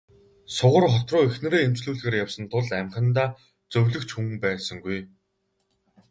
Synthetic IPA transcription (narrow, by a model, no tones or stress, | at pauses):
sʊʁə̆rχɔt̪rʊːexnɘ̆ɾeːem̥t͡sɮuːɮɣeːrjawsə̆nt̪ʰʊɮæmχə̆nt̪aː | t͡sɵwʲɮɵ̆kt͡ɕxuŋpæːɮsə̆ŋɡuj